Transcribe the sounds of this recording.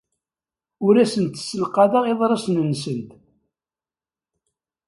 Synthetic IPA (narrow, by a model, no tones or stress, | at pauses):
ʊɾæsənt̪ə̥sːəlqɑðəʁeðˤɾˤɑsnənsənt̪